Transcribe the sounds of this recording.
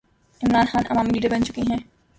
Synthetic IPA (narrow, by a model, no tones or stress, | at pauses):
ɪmɾaːnxaːnʔɐ̰maːmiɖiːɖiɾbɐnt͡ʃʊkiɦɛ̃ː